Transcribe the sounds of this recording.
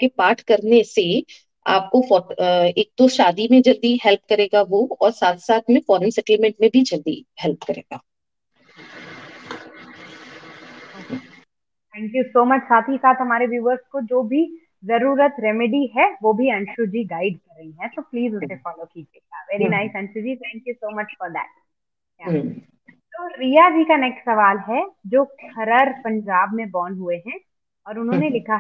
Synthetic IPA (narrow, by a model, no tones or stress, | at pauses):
kepaːɾʈʰkɐɾnese | a̰ːp̚kofɔeːk̚t̪oʃaːd̪imẽd͡ʒɐld̪iɦɛlp̚kɐɾeːɡaʋoɔːɾsaːt̪ʰsaːt̪ʰmẽfɔːɾənsɛʈlmɛ̃ɳʈ̚mẽbʱid͡ʒɐɾd̪ḭhɛlp̚kɐɾḛːɡaː | t̪ʰɛ̃ːŋkjusoːmɐt͡ʃsaːt̪ʰɦisaːt̪ɦɐmaːɾeʋjuːʋəɾskod͡ʒoːbʱi | zɐɾuːɾət̪ɾɛmɪɖiɦɛʋoːbʱiɐ̃nʃud͡ʒiːɡaːɪɖkɐɾːɐɦiɦɛ̃t̪oːpliːzʊsefɔːloːkiːd͡ʒieʋɛːɾinaɪsɐ̃nʃud͡ʒiːt̪ʰɛ̃ːŋkjusoːmɐt͡ʃfɔɾd̪æ̰ːʈ̚ | jaː | t̪oːɾiːad͡ʒiːkaneːksɐʋaːlɦɛd͡ʒoːkʰɐɾəɾpɐ̃ɲd͡ʒaːb̚mẽbɔːnɦueɦɛ̃ | ɔːɾʊnɦõːnelɪkʰa